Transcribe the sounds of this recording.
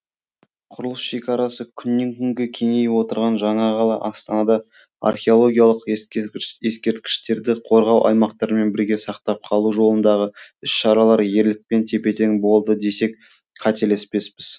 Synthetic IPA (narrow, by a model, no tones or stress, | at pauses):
qʰʊɾəlˠəsʃe̞kʲɑɾɑsəkʲʰʏnːe̞ŋkʲʰʏŋɡʲɪkʲʰe̞ŋe̞jwo̞t̪əɾʁɑnʒɑɴɑʁɑlˠɑʔɑst̪ɑnɑd̪ɑ | a̰rχʲeo̞lˠo̞ɡʲijɑlˠəq | e̞skʲe̞ɾt̪kʲɪ̥ʃt̪e̞ɾd̪ɪqʰo̞ɾʁɑwʔɑ̰jmɑqt̪ɑɾəme̞nbɪɾɡʲe̞sɑqt̪ɑp̚qʰɑlˠuʒo̞lˠənd̪ɑʁəʏsʃɑɾɑlˠɑɾje̞ɾlɪk̚pe̞nt̪ʰe̞pe̞t̪eŋbo̞lˠd̪əd̪e̞se̞k̚ | qʰɑt̪ele̞spe̞spɪz